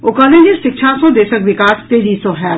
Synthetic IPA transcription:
okɔlẽd͡ʒiʃɪkʃʰasɔ̃d̪eːʃəkʋɪkaːst̪eːd͡ʒiːsɔɦɛ

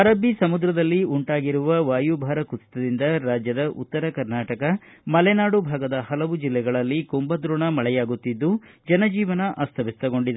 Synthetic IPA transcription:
ɐɾɐbʱːisɐmud̪ɾɐd̪ɐlːiuɳʈaːɡiɾuʋɐʋaːjubʱaːɾɐkust̪ɐd̪ind̪ɐɾaːd͡ʒjɐd̪ɐʔut̪ːɐɾɐkɐɾnaːʈɐkɐ | mɐlɛnaːɽubʱaːɡɐd̪ɐhɐlɐʋud͡ʒilːɛɡɐɭɐlːikombɐd̪ɾuɳɐmɐɭɛjaːɡut̪ːid̪ːud͡ʒɐnɐd͡ʒiːʋɐnɐʔaːst̪ʰɐʋist̪ɐɡo̞ɳɖid̪e

